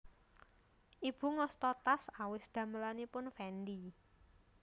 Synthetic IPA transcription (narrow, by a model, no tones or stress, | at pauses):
ʔib̥ṳŋɔst̪ɔt̪asawɪsd̪̥ä̤məlanipʊnfɛnd̪i